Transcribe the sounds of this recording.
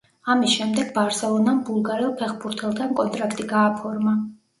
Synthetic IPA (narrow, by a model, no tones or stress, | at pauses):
amisʃɛmd̪ɛɡbaɾsɛlˠɔnanbulˠɡaɾɛlˠpʰɛχbuɾt̪ʰɛlˠt̪ʰankʼɔnt̪ʼɾakʰt̪ʼiɡaːpʰɔɾma